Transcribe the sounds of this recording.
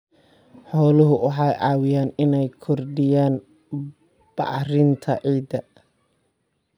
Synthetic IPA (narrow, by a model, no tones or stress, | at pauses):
ħɔːlʊɦʊʔɑħɑjʔɑːwɪjaːnɪnɛjkʰɔrɖɪjaːn | b̥ɑ̰rɪnt̪ʰɐʔɛːd̪ɐ